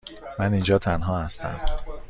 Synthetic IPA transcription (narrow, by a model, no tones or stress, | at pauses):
mænind͡ʒɒːt̪ʰænɦɒːhæst̪æ̰m